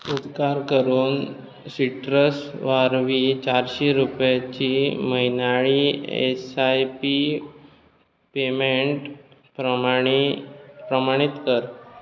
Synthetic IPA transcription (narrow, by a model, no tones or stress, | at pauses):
ud̪kaɾkəɾuːn | siʈɾəsʋaɾʋit͡ɕaɾɕiɾupjat͡ɕiːməinaɭiḛsajpi | pemeɳʈ | pɾəipɾəmaɽ̃it̪kəɾ